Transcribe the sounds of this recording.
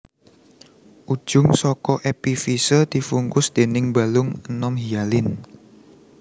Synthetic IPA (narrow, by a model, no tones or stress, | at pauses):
ʔu̥ʒ̥ʊ̤ŋsɔkɔʔepifisəd̪̥i̤fuŋkʊsd̪̥e̤nɪŋbalʊŋənɔmɦialɪn